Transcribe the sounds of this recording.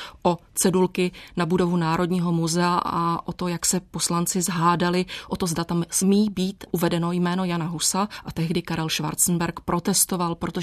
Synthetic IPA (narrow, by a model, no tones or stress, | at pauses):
ʔo̞t͡sɛdulkɪnabudo̞vunaːɾo̞dɲiːɦo̞muzɛaʔa̰ʔo̞t̪o̞jaksɛpo̞slant͡sɪzɦaːdalɪʔo̞t̪o̞zdat̪amsmiːbiːt̪ʔuvɛdɛno̞jmɛːno̞janaɦusaʔat̪ɛɦdɪkaɾɛlʃva̰ɾt͡sn̩bɛɾkpɾʔo̞t̪ɛst̪o̞valpɾo̞t̪o